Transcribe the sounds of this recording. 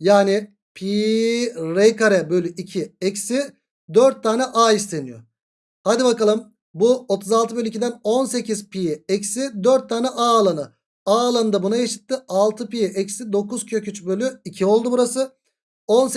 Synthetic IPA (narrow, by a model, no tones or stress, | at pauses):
jaːni | pʰiː | ɾejkaɾɛbø̞lʲyʔicʰiɛcsi | d̪øɾt̪ʰːaːnɛʔaːist̪ʰe̞nijo | had̪ibakalˠɯm | buot̪ʰuzalˠt̪ɯbø̞lʲyicʰid̪æno̞nse̞cʰizpʰijɛɛcsid̪øɾt̪ʰːaːnɛʔaːlˠanɯ | aːlˠanɯd̪abunajaʃɯ̥t̪ʰːɯalˠt̪ʰɯpijɛʔɛcsid̪o̞kuz̥cʰø̞cyt͡ʃbølʲyicʰio̞lˠd̪ubuɾasɯ | o̞ns